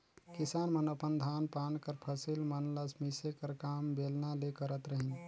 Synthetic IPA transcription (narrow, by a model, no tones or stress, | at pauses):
kisanmənəpənd̪ʱanpankəɾpʰəsilmənləsmisekəɾkambelnalekəɾət̪ɾəɦin